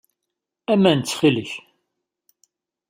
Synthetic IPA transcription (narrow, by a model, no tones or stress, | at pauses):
æmænt͡sːχiləç